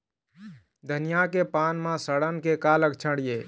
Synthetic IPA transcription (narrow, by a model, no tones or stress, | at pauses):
d̪ʱənijakepanmãsəɽənkekaləkt͡ʃʰəɽije